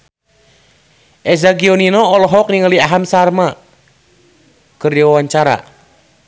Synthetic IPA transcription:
ʔɛzaɡiɔninɔːlɔɦɔk̚niŋəliaɦamsarma | kərdwawaɲt͡ʃaɾa̰

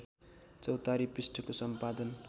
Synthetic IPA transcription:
t͡sʌwt̪aɾipisʈʰʌkosʌmpad̪ʌn

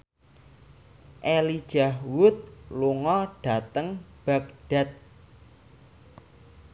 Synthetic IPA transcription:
ʔelid̥ʒ̥a̤hwʊt̪̚luŋɔɖ̥a̤t̪əŋb̥a̤k̚ɖ̥a̤t̪̚

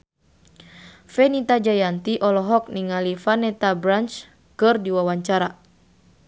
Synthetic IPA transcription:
fɛnit̪ad͡ʒajant̪iʔɔlɔɦɔk̚niŋalifanɛt̪abɾant͡ʃ | kɨrdiwawaɲt͡ʃaɾa

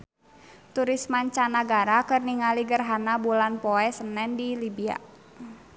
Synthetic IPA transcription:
t̪uɾismaɲt͡ʃanaɡaɾakərniŋaliɡərɦanabulanpɔɛsənɛndilibia̰

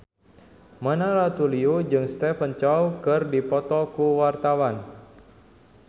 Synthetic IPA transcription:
mənaɾat̪uliud͡ʒɨŋst̪ɛfənt͡ʃɔwkɨrdipɔt̪ɔkuwart̪awan

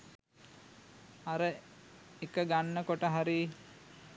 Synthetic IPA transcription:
aɾə | ekəɡanːəkoʈəɦaɾiː

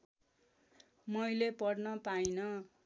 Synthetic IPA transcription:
mʌjlepʌɽnʌpajnʌ

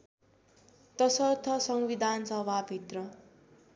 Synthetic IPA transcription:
t̪ʌsʌrt̪ʰʌsʌŋbid̪ʱansʌbʱabʱit̪rʌ

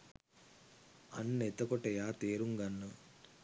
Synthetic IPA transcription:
ɐnːet̪ːɐkɔʈɐjaːt̪eːɾuŋɡɐnːu

